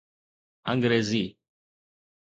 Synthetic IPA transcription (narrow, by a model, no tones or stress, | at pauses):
ãŋɡɾezi